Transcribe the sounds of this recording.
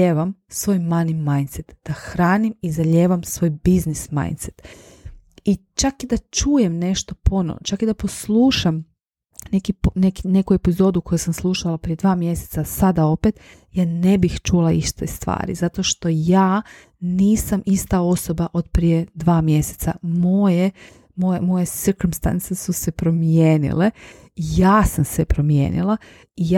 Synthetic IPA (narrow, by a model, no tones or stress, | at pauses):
eʋamsʋo̞ːjmanimajnt̪set̪d̪̥axɾaːnimizaʎeːʋamsʋo̞ːjbiznisma̰jnt̪set̪ | it͡ʃakid̪at͡ʃuːje̞mne̞ʃt̪o̞pono̰o̰t͡ʃakid̪apo̞slˠuːʃam | ne̞kipne̞kine̞kuepizo̞d̪uko̞jusamslˠuʃalˠapɾije̞d̪ʋaːmje̞set̪sasad̪ao̞pet̪ | jaːne̞bixt͡ʃulˠaiʃt̪est̪ʋa̰ːɾḭzat̪o̞ʃt̪o̞jaː | niːsamist̪ao̞sobaʔo̞d̪pɾije̞d̪ʋaːmje̞se̥t̪samoje | mojemo̞jesɨɾkomst̪a̰nt̪sesuse̞pɾo̞mjeːnḭle | jaːsamsepɾomjḛːnḭlˠa | ij